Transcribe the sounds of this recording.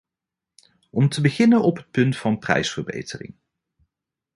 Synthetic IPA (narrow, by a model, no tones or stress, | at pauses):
ɔmtəbəχɪnənɔpɦət̚pɵntfɑnprɛ̰jsfəɹbḛjtərɪ̰ŋ